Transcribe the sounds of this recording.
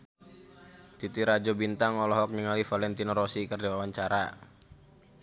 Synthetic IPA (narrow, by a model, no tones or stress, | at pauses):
t̪it̪iɾad͡ʒɔbint̪aŋɔlɔɦɔk̚ɲəŋalifalɛnt̪inɔɾɔsikərdiwawaɲt͡ʃaɾa